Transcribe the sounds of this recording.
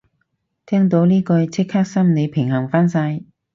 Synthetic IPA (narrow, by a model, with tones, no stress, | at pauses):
t̪ʰɛː˥ŋt̪o˨˥wniː˥kɵ˧jt͡sʰɪ˥k̚haː˥k̚sɐ˥mne˨˧jpʰɪ˨˩ŋhɐ˨˩ŋfaː˥nsaː˧j